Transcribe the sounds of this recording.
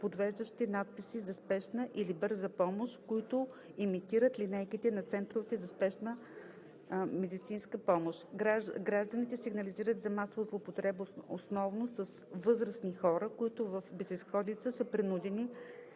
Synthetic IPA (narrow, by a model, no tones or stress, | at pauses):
pod̪vɛʒd̪əʃt̪inat̪̚pisizɐspɛʃnəʔilibɤɾzəpɔmoʃt̪koit̪ʊ | imit̪iɾət̪linɛjkit̪ɛnɐt̪sɛnt̪ɾʊvit̪ɛzɐspɛʃnə | mɛd̪it̪sinskəpɔmoʃt̪ɾaɡɾaʒd̪ənit̪ɛsiɡnɐliziɾət̪zɐmasovəzlˠopot̪ɾɛboosnɔvnosəsvɤzɾəsnixɔɾəkoit̪ʊvəfbɛzɛsxɔd̪it̪səsəpɾinud̪ɛni